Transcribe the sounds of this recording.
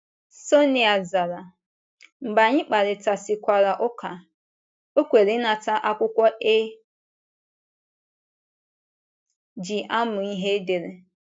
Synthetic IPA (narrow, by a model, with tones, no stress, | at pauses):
so˦ni˨a˨za˨ɾa˨ | m̩˨ba˨ɲɪ˦k͡pa˨ɾɪ˨ta˨sɪ˨kʷa˨ɾa˨ʔʊ˦kʰa˨ | o˦kʷe˨ɾe˦na˨ta˦ʔa˦kʷʊ˦kʷɔ˦ʔe˦ | d͡ʒi˨ʔa˦mʊ˨i˦ɦe˦de˨ɾe˨